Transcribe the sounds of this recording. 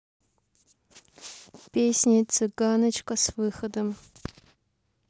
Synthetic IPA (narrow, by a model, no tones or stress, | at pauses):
pʲeːsʲnʲit͡sʰɨɡaːnɐt͡ʃkɐsvɨːxɐd̪ɐm